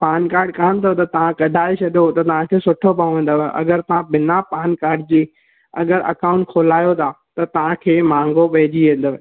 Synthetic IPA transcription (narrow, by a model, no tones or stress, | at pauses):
paːnkaːɾɖkaːnt̪ʰɐjot̪ɐt̪ɐʋ̤ãkɐɖʱaːet͡ɕʰɐɗiot̪ɐt̪ɐʋ̤ãkʰeːsʊʈʰobʱɐ̃ʋẽːn̆d̪oʋʔɐ̰ɡəɾt̪ɐʋ̤ãbɪnapaːnkaːɾɖ̚d͡ʑiː | ɐ̰ɡəɾɐ̰kaːʊ̃ɳʈkʰoːlaːjot̪ʰa | t̪ɐt̪ɐʋ̤ãkʰeːmãːŋɡopɐɦɪd͡ʑiʋẽːn̆d̪əʋ